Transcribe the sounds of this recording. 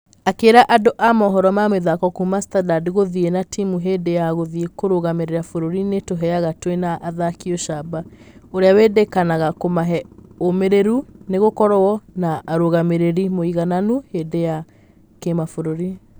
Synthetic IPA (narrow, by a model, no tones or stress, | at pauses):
akeːɾaʔadoʔamɔɦɔɾɔmameðakɔkumastadadiɣoðienatimuɦeːdejaɣoðiekoɾoɣameɾeɾafoɾoɾinetoɦɛaɣatwenaʔːðakioʃabaoɾeawedekanaɣakomaɦɛomeɾeɾuneɣokɔɾɔwɔnaʔːɾoɣameɾeɾimoiɣananuhedeja | kemafoɾoɾi